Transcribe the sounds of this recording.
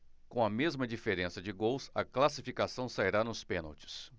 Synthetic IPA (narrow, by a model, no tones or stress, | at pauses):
kõɐmezmɐd͡ʒifeɾẽsɐd͡ʒɪɡowsɐklasifikasɐ̃w̃saiɾanʊspẽnɐwt͡ʃɪ̥s